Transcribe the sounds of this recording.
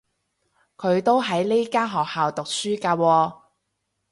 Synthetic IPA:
kʰɵ˨˧ɥt̪o˥wɦɐ˨˥jle˥kaː˥ɦɔː˨k̚haː˨wt̪ʊ˨k̚syː˥kaː˧wɔː˧

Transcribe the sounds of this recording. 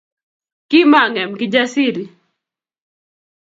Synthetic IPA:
ki˦ma˦˨ŋɛ˨mkɪ˦d͡ʒa˦si˦ɾi˨

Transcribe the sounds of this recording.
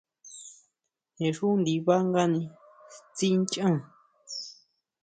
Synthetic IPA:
hẽ˨ʂu˦nd̪i˧βa˦ŋɡa˦nĩ˧ | t͡si˦nt͡ʃã˦˧

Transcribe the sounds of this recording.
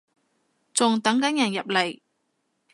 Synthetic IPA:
t͡sʊ˨ŋt̪ɐ˨˥ŋkɐ˨˥njɐ˨˩njɐ˨p̚le˨˩j

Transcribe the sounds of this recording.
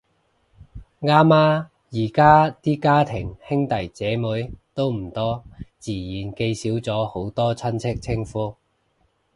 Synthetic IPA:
ŋaː˥maː˥ | jiː˨˩kaː˥t̪iː˥kaː˥t̪ʰɪ˨˩ŋhɪ˥ŋt̪ɐ˨˩jt͡sɛː˨˥muː˨˥jt̪o˥wm̩˨˩t̪ɔː˥t͡siː˨˩jiː˨˩nke˧jsiː˨˥wt͡sɔː˨˥ho˨˧˥wt̪ɔː˥t͡sʰɐ˥nt͡sʰɪ˥k̚t͡sʰɪ˥ŋfuː˥

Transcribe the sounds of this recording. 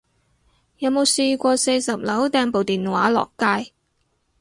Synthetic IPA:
jɐ˨˧wmo˨˧wse˧jkʷɔː˧se˧jsɐ˨p̚lɐ˨˥wt̪ɛː˧ŋpo˨wt̪iː˨nwa̰ː˨˥lɔ̰ː˨kːaː˧j

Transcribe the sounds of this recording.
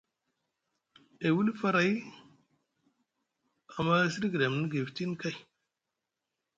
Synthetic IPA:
e˨wu˦lfa˦ɾa˨j | a˨mːa˦si˦ɾɡi˨da˨m˨ni˦ɡe˨fti˦n˦ka˦˨j

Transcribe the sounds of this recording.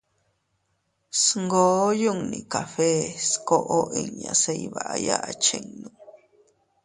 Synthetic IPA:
sŋɡo˦ju˦ŋnĩ˨ka˨fe˦sko˧ʔo˦ʔi˧ŋɲã˨se˧jβa˨ʔa˧ja˦ʔa˧t͡ʃe˧ŋnũ˨

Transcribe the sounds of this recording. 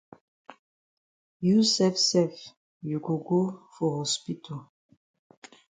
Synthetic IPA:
jusɛfsɛf | ju˨ɡo˨ɡo˦fɔ˨hɔspi˦tʰo

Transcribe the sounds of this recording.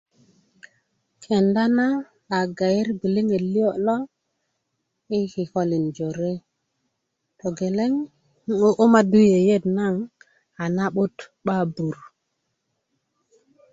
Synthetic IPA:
kʰe˨nda˦naː˦˨ | ɡa˨je˦ɾbi˨li˦ŋe˨tli˦o˦lo˦ | i˦ki˨ho˦li˨nd͡ʒo˨ɾe˦ | to˨ɡe˨le˦ŋ | o˦ʔo˦ma˦du˦je˨je˦˨dna˦ŋ | a˨na˦ɓo˦tɓa˦bu˨ɾ

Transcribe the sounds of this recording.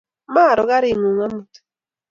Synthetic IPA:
ma˦˨ɾɔ˨ɣa˦ɾi˦˨ŋo˨ŋa˦mu˨t

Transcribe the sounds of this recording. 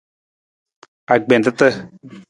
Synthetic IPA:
a˨ɡ͡be˨nt̪ə˦t̪ə˦

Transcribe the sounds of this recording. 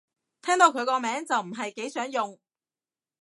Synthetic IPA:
t̪ʰɛː˥ŋt̪o˨˧wkʰɵ˨˧ɥkɔː˧mɛː˨˥ŋt͡sɐ˨wm̩˨˩ɦɐ˨jke˨˥jsœː˨˥ŋjʊ˨ŋ

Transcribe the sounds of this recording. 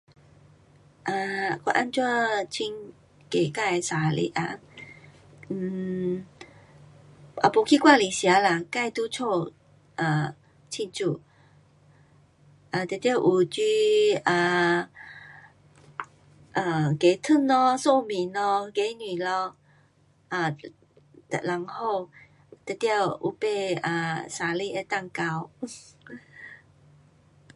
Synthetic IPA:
ʔa˧kwa̰˧ʔa˧˥nt͡ɕa˥˧t͡ɕʰi˧˥n | ke˨˩ka˥˧˨jsa˨˩˦lḭ˨˦ʔa̰˧˦ | n̩˨˩ | a̰˨˧˩po˨˦kʰi˦˥˧kwa˥˧li˨˩ɕja˨˦la˨ka˥˧˨jt̪u˦t͡sʰo˥˧ | ʔa˨ | t͡ɕʰi˥˧nt͡su˥˧ | ʔa˨t̪e˨˩t̪ji˥˧˨ʔu˨˩t͡ɕy˧a˨˩ | ʔa˨ke˨˦t̪ʰə˥˨nlɔ˧so˥˧˨mĩ˨˩˦nlɔ˧ke˨˦ni˨˩lɔ˧ | ʔa˨˩ | t̪la˨˦ŋho˥˧w | t̪i˧˦t̪ja˥˧ʔṵ˧˦pe˥˧a˨˩sa˨˦li˥˧˨ʔe˧˦t̪a˥˧˨ŋka˧w

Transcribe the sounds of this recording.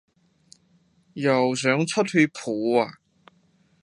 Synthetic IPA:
jɐ˨ws̬œː˨˥ŋt͡sʰɔ˥t̚hy˧pʰuː˨˥a˨

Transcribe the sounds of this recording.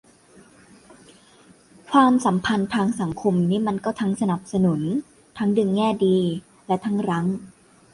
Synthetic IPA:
kʰwaː˧msa˩˦mpʰa˧nt̪ʰaː˧ŋsa˩˦ŋkʰo˧mniː˦˥ma˧nkɔː˥˩t̪ʰa˦˥ŋsa˧na˨˩p̚sa˧nu˩˦n | t̪ʰa˦˥ŋdɯ˧ŋːɛː˥˩diː˧ | lɛ˦˥t̪ʰa˦˥ŋɾa˦˥ŋ

